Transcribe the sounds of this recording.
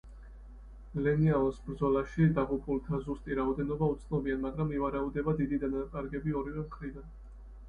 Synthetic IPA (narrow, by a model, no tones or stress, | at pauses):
lɛniaɔsbɾd̪zɔlaʃid̪aʁupʼulˠt̪ʰazust̪ʼiɾaɔd̪ɛnɔbaut̪sʰnɔbianmaɡɾamivaɾaud̪ɛbad̪id̪id̪anak̪ʼaɾɡɛbiɔɾivɛmχɾid̪an